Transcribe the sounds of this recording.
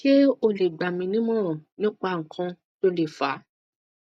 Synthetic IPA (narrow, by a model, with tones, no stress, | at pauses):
ʃe˦o˧le˨ɡ͡ba˨mĩ˧nĩ˦mɔ̃˦ɾ̃ɔ̃˨nĩ˦k͡pa˧˨ŋ̩˨kʰã˧ | to˧˦le˦˨fa˨˦